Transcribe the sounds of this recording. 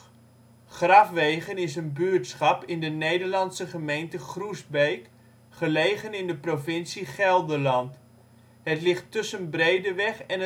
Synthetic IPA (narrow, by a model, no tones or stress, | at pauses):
χrɑfʋejχənɪsənbyətsχɑpɪndənejdəɹlɑnsəχəmejntəχrusbejk | χəlejχənɪndəprofɪnsiχɛlˠdəlɑnt | ɦətlɪχtːɵsənbrejdəʋɛχɛnə